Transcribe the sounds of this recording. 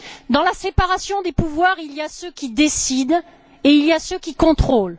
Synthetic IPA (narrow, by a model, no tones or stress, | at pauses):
d̪ɑ̃lasepaʁasjɔ̃d̪epuvwaʁilijasøkʲid̪esid̪ | eilijasøkʲikɔ̃t̪χol